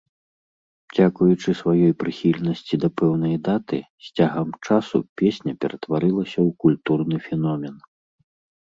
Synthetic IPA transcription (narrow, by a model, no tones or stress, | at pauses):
d͡zʲakujut͡ʂɨsvajɔjpɾɨxʲilʲnɐsʲt͡sʲid̪ɐpɛwn̪ɐjd̪at̪ɨsʲt͡sʲaɣɐmt͡ʂasṵpʲesʲnʲɐpʲɛɾɐt̪vaɾɨlˠɐsʲɐwkulʲt̪urnɨfʲɛnɔmʲɛn